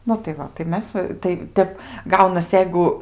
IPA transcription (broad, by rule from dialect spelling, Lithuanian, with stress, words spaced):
ˈnʊ tɐɪ ˈʋɐ tɐɪ ˈmʲɛs ʋɐ tɐɪ ˈtʲɛp ˈɡɐʊnɐs ˈjɛɪɡʊ